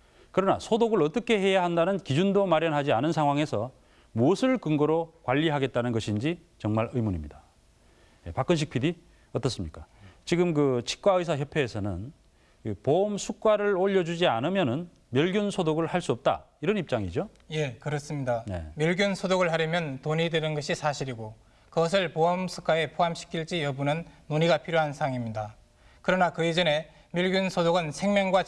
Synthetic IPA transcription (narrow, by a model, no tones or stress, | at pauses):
kɯɾʌna̰sʰodoɡɯɭʌt͈ʌkʰe̞he̞jaɦandanɯnkid͡ʑundomaɾjʌnɦad͡ʑianɯnsʰaŋɦwaŋe̞sʰʌ | muʌsʰɯɭkɯŋɡʌɾokwaʎːiɦaɡe̞t̚t͈anɯnɡʌɕʰind͡ʑi | t͡ɕʌŋmaɾɯjmuɲimɲida | je̞pak͈ɯnɕ̬ʰik̚pʰidi | ʌt͈ʌs͈ɯmɲik͈at͡ɕiɡɯmkɯt͡ɕʰi̥k̚k͈waɯjsʰajʌpʰe̞ːsʰʌnɯ̰n | kɯpomsʰuk̚k͈waɾɯɭoʎːʌd͡ʑud͡ʑianɯmjʌnɯn | mjʌɭɡjunsʰodoɡɯɭhaɭs͈uʌp̚t͈a̰iɾʌnip̚t͡ɕ͈aŋḭd͡ʑo | je̞kɯɾʌs͈ɯmɲidane̞̰mjʌɭɡjunsʰodoɡɯɭhaɾjʌmjʌntoɲidwenɯnɡʌɕʰisʰaɕʰiɾiɡo | kɯɡʌs̬ʰɯɭpoʌmsʰu̥k͈ʰae̞pʰoɦamɕʰi̥kʰiɭt͡ɕ͈ijʌbunɯnːoɲiɡapʰiɾjoɦansʰaŋimɲida | kɯɾʌnakɯid͡ʑʌne̞ | mjʌɭɡjunsʰodoɡɯnsʰe̞ŋmjʌŋɡwa